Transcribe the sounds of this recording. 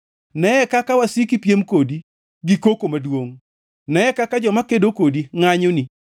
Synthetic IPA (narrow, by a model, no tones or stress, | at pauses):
nɛɛkakawasikipjemkodi | ɡikokomadwoŋ | nɛɛkakad͡ʒɔmakedokodiŋaɲoni